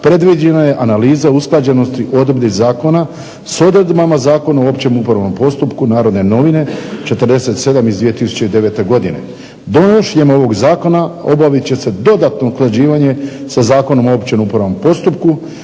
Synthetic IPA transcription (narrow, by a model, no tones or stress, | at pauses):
pɾe̞d̪ʋid͡ʑenaje̞ʔanaliːzausklˠad͡ʑe̞no̞st̪iʔo̞d̪blizaːko̞na | so̞d̪ɾed̪bamazaːko̞naoopt͡ɕe̞mupɾaʋno̞mpo̞st̪upkunaːɾo̞d̪ne̞no̞ʋine̞t͡ʃe̞t̪ɾd̪e̞se̞t̪se̞d̪amizd̪ʋije̞t̪isu̥t͡ɕe̞id̪e̞ʋe̞t̪e̞ɡo̞d̪ine̞̰ | d̪ojoʃjemo̞ʋo̞ɡzaːko̞nao̞̰baʋit͡ɕe̞se̞d̪o̞d̪at̪no̞sklˠad͡ʑiːʋaɲe̞sazaːko̞no̞moopt͡ɕe̞mupɾaʋnompo̞st̪upku